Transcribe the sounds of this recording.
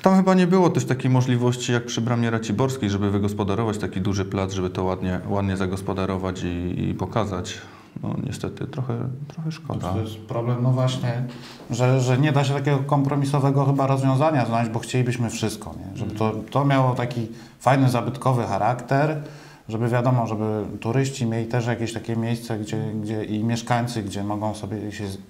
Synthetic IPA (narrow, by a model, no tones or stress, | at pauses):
t̪amxɘbaɲɛbɘwɔt̪ɛʂt̪akʲejmɔʐlʲivɔɕt͡ɕijak̚pʂɘbɾamʲɛɾat͡ɕibɔɾskʲejʐɛbɘvɘɡɔspɔd̪aɾɔvat͡ɕt̪akʲid̪uʐɘplad̪zʐɛbɘt̪ɔwad̪ɲɛwad̪ɲɛzaɡɔspɔd̪aɾɔvat͡ɕiḭpɔkazat͡ɕ | nɔ̰ɲɛ̰st̪ɛt̪ɘ̰t̪ɾɔxɛ̰t̪ɾɔxɛʂkɔ̰d̪ajɛst̪pɾɔblɛmnɔvwaɕɲɛ | ʐɛʐɛɲɛd̪aɕɛt̪akʲɛɡɔkɔmpɾɔmʲisɔvɛɡɔxɘbaɾɔzvʲjɔ̃w̃zaɲaznad͡ʑbɔxt͡ɕelʲibɘɕmɘfʂɘst̪̚kɔ̰ɲɛʐɛbɘt̪ɔt̪ɔmʲjawɔt̪akʲi | fajnɘzabɘt̪kɔvɘxaɾʔakt̪ɛɾ | ʐɛbɘvʲjad̪ɔmɔʐɛbɘt̪uɾɘɕt͡ɕimʲjelʲit̪ɛʂjakʲeɕt̪akʲɛmʲjejst̪sɛɡd͡ʑɛɡd͡ʑɛʔimʲjɛʂkaɲt̪sɘɡd͡ʑɛmɔɡɔ̃w̃sɔbʲjɛɕɛ